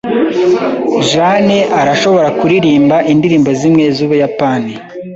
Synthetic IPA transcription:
ʒaneʔaɾaʃo̞βo̞ɾakuɾiɾiːmbaʔindiɾiːmbozimŋe̞zuːβujapaːni

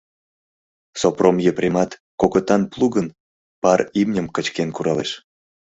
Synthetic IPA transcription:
sopromjeprʲemɑt̪kokot̪ɑnplˠuɣən | pɑɾimnʲəmkət͡ɕkenkuɾɑleʃ

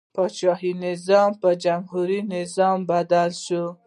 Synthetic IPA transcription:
pʰɔt͡ʃɑɦinezɑmpəd͡ʒamhuɾinezɔmbad̪alʃu

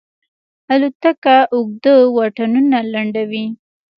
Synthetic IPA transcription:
alut̪akaʔʊɡ̚d̪əwaʈanunalaɳɖawi

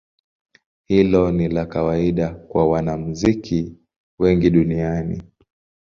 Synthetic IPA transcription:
hilɔnilakawaiɗakwawanam̩zikʰi | wɛŋɡiɗunianḭ

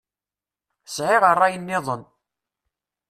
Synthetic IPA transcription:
sʕeʁərˤːɑjənːɪðˤən

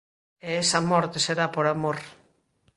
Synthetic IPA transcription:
eesɐmɔɾt̪eseɾapoɾamoɾ

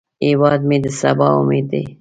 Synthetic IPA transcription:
ewɑːd̪med̪əsabɑṵmeːd̪d̪ḛ

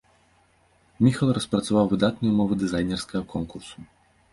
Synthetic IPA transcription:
mʲixɐlˠɾɐspɾɐt̪sɐvawvɨd̪at̪nujumɔvɨd̪ɨzajnʲɛrskɐɣɐkɔnkursu

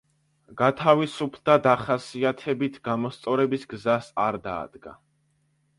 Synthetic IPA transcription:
ɡat̪ʰavisupʰd̪ad̪aχasiat̪ʰɛbit̪ʰɡ̥amɔst̪sʼɔɾɛbisɡzasaɾd̪a̰ːd̪̥ɡa̰

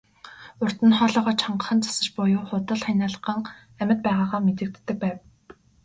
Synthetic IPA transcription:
ʊr̥t̪ɘ̆nχɔːɮɞːʁɔːt͡ɕʰɔɴɢə̆χə̆nt͡sḁsə̆t͡ɕpʊjʊːχʊt̪ə̆ɮχanʲaːɮə̆ɢə̆ŋ | æmʲə̆t̪̚pæːʁaːʁaːmet̪ɘ̆k̚t̪ːɘ̆k̚pæːw

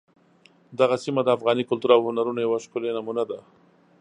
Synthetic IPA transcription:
d̪aɣasimad̪əafɣɑnikʊlt̪uɾawhʊnaɾunojawaʃkʊlenamunad̪a

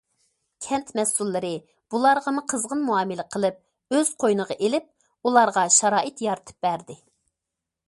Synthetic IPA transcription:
kʲʰɛnt̪mɛsulˠːɨɾɨ | b̥ulˠɑɾʁɑmuqʰəzʁənmuɑːmɨlɪqʰəlˠɨp̚ | øz̥qʰojnəʁɑʔelɪp̚ | ulˠɑɾʁɑʃɑɾɑːʔɨt̪jɑɾɨt̪ʰɨ̥p̚bæɾd̪ɪ

